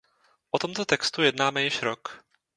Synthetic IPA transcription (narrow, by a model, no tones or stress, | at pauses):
ʔot̪omt̪ot̪ɛkst̪ujɛdnaːmɛjɪʃɾok